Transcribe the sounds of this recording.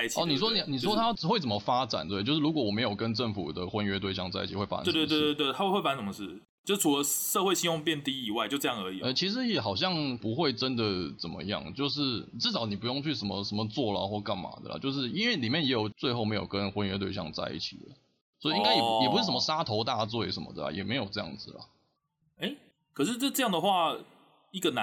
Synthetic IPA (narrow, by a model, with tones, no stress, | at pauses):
t͡ɕʰiɔ˨˥˨ni˨˩ʂwɔ˥n˨ni˨ʂwɔ˥t̪ʰa˥˨˩xwe˥˩ɪt͡sə˨˩mə˦fa˥ʈ͡ʂa̰˨˩nt̪wt͡ɕo˥˧ʊʂɻ̩˥˩u˧˥kwɔ˧˦wɔ˨˩me˧˥ɪjo˨˩ʊkə˦nʈ͡ʂə˥˩ŋfṵ˨˩d̪ə˩xwə˦nɥɛ˥t̪̬we˥˧ɪɕjɑ˥˧ŋt͡sa˥˧ɪi˥t͡ɕʰi˨˩xwe˥˩a̰˥a̰˨˥˩t̪t̪we˥˩a˥we˥˧we˥˩fa˧˦nt̪ʊ˨˩ŋd̪ə˩ʂ̩˥˩ | t͡ɕjo˥˧ʊʂɻ̩ʰ˥˩u˨˧lə˧˦ʂɤ˥˧xwe˥˧ɪɕi˥jʊ˥˧ŋpjɛ˥˧nt̪i˥i˨˩wa˥ɪt͡ɕo˥˧ʈ͡ʂɤ˥˧jɑ˥˩ŋə˞˧˥i˨˩ɛ˥˧˩t͡ɕʰi˧˥ʂ̬ɻ̩˧˥jɛ˨˩xɑ˨˩ʊɕ̬jɑ˥˩ŋpu˧˥xwe˥˩ɪʈ͡ʂə˦nd̪ə˨t͡sə˨˩mə̰˦jɑ̰˥˩ŋt͡ɕjo˥˧ʊʂ̬ɻ̩˥˩ʈ͡ʂɻ̩˥˩t͡sɑ˨˩ʊni˨˩pu˧˦jo˥˧ŋt͡ɕʰy˥˩ʂə˧˥mə̰˧ʂə˧˥mə˧t͡swɔ˥˩lə̰˨xwɔ˥˧ka˥˩nma̰˨˩˦d̪ə̰˨lə̰˨t͡ɕjo˥˧ʊʂ̬ɻ̩˥˩i˥nwe˥˩li˨˩mjɛ˥˨njɛ˧˥jo˨˩ʊt͡swe˥˧ɪxo˥˩ʊme˧˥ɪjo˨˩kə˦˥nxwə˧˥nɥɛ˧˥t̪we˥˧ɪɕjɑ̰˥˧ŋt͡sa̰˥˧ɪḭ˥˩t͡ɕʰḭ˨˩d̪ə̰˩ | swɔ˧˥i˨i˥ŋka˥ɪjɛ˨˩jɛ˨˩u˧ʂɻ̩˥˩ʂə˩mə˧˦ʂa˥t̪ʰo˧˥ʊt̪a˥˧˩t͡swɔ˥˩ɛ̰˨˥ʂə˧˥mə̰˦d̪ə̰˨˩˨jɛ̰˨˩me˧˥ɪjo˨˩ʊʈ͡ʂɤ˥˧jɑ̰˥˩ŋd͡z̩˨˩lɐ̰˩ | e˥ɪ | kʰɤ˨˩ʂ̬ɻ̩˥˧ʈ͡ʂə˥˧ʈ͡ʂɤ˥˧jɑ˥˩ŋd̪ə˩xwa˥˧ | i˥˩ɡə˩na˧